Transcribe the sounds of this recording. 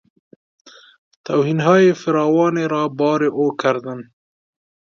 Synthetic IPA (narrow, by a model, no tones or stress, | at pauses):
t̪awhinɦɑjefɪɾɑwɑneɾɑbɑɾeʔokaɾd̪ən